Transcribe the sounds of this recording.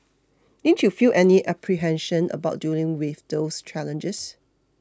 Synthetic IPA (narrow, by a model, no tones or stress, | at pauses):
nĩntjufiʔɛniʔapʰɹiɦɛ̃nʃə̃nə̰baʊt̚dulɪ̃ŋwɪfdost͡ʃælə̃nd͡ʒəs